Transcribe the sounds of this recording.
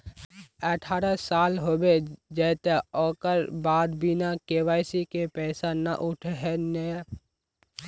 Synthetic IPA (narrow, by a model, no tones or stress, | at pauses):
əʈʰaːɾasaːlɦoːbed͡ʒɛːt̪eɔːkəɾbaːd̪bɪnakeːwaːjsikepɛːsana̰ʔʊʈʰɦɛne